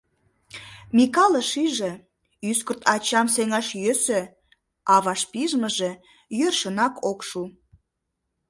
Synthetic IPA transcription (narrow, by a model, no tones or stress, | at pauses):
mʲikɑləʃiʒĕ | yskərt̪ɑt͡ɕɑmseŋɑʃjøsø | ɑβɑʃpiʒməʒĕ | jørʃənɑkʰokʃu